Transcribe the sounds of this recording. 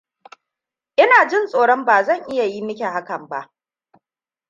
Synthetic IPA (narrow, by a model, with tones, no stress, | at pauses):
ʔɪ˦naː˨d͡ʒɪ˦nsʼoː˨ɽɔ˦mbaː˨zɐ˦˨ŋʔɪ˦ja˨ji˦mɪ˦kʲe˨ha˦kɐ˨mba˦ʔ